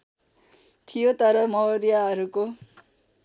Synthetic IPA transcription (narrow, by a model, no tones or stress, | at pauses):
t̪ʰijot̪ʌɾʌmʌɾijaɦʌɾuko